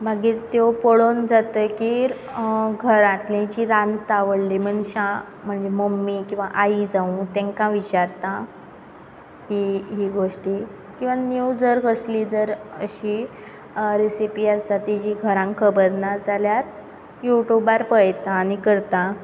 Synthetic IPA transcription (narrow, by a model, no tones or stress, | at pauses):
bʱaɡiːɾt̪jopoɭond͡zat̪əjkiːɾ | ɡʱəɾat̪lẽt͡ɕiɾãnt̪aʋəɽlim̤əɳɕã | m̤əɳd͡zeməmːikĩw̃ʋaʔaid͡zaũt̪ẽŋkãʋit͡ɕaɾt̪a | t̪iɦiːɡʱoʂʈi | kĩw̃ʋanjud͡zəɾkəsliːd͡zəɾəɕi | ɾisipiasat̪id͡ʑiɡʱəɾãŋkkʰːəbəɾnad͡zaljaɾ | juʈjubaɾpəjt̪aːnikəɾt̪a